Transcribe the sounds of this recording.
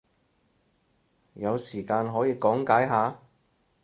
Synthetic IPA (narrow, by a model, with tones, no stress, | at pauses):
jɐ˨˧wsiː˨˩kaː˧nɦɔː˨˥jiː˨˧kɔː˨˥ŋkaː˨˥jɦaː˨˧